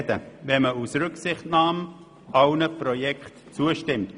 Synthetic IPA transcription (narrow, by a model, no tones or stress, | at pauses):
dəvɛməusɾʏksɪχtnɑːm | awnəprɔjɛkχt | t͡suəʃtɪmt